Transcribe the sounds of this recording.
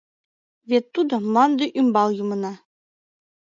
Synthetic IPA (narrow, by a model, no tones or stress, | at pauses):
vʲet̪ːud̪ɤ̆mˠɑnd̪ɤʔymbɑlˠjumɤ̆nɑ